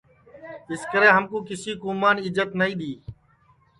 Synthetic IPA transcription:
ɪskəɾeːɦəmkũːkɪsiːkuːmaːnɪzət̪nəĩːɗ̪iː

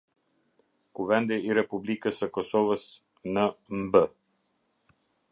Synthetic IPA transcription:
kuvɛnd̪ɛiɾɛpublikəsəkɔsɔvəs | nəmbə

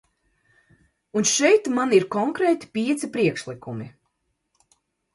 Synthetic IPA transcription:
unʃɛjt̪maniɾkɔŋkɾɛːt̪ʲi̥pʲiɛt̪sipɾiɛkʃlˠikumi

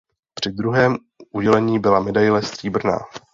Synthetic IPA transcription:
pr̥ɪd̪ɾuɦɛːm | ʔuɟɛlɛɲiːbɪlamɛdajlɛst̪r̥iːbr̩na̰ː

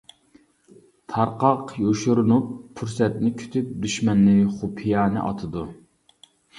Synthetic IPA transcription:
t̪ʰɑɾqɑqjoʃuɾunupʰːuɾsɛt̪nɪkʲʰy̥t̪ʰyp̚d̪yʃmɛnːɨχupʰijɑːnɨ̰ʔɑ̰t̪ʰɨd̪u

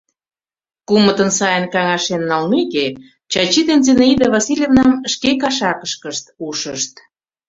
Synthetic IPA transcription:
kumət̪ə̆nsɑjənkɑŋɑʃenːɑlmeke | t͡ɕɑt͡ɕid̪enzeneid̪əvɑsilʲjevnɑmʃkekɑʃɑkəʃkəʃt̪uʃəʃt̪

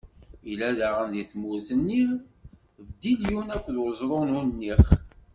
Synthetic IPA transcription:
ilæðaʁənðiθmuzənːi | bd̪iljunækʷːðʁəzɾˤonunːiχ

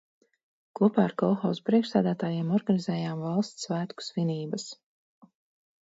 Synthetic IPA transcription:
kuɔpaːaɾkɔlˠxawspɾiɛkʃsæːd̪æːt̪aːjɛmɔɾɡanizɛːjaːmvɑlˠst̪svæːt̪ku̥sviniːbɐs

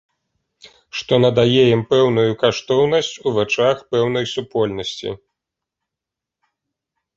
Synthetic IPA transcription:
ʂt̪ɔnɐd̪ajejimpɛwn̪ujukaʂt̪ɔwn̪ɐsʲt͡sʲuvɛt͡ʂaxpɛwn̪ɐjsupɔlʲnɐsʲt͡sʲḭ

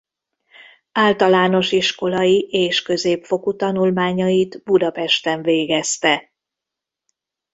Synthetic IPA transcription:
aːlt̪ɒlaːno̞ʃiʃko̞lɒjiʔeːʃkø̞zeːpfo̞kut̪ɒnulmaːɲɒjit̪bud̪ɒpɛʃt̪ɛɱveːɡɛst̪ɛ

